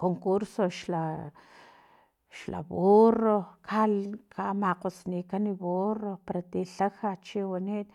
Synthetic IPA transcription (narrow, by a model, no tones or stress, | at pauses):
koŋkuɾsoʃla | ʃla̰βorokʰalkʰamaqosnikaniβoropaɾat̪iɬaxat͡ʃiwanit̪̚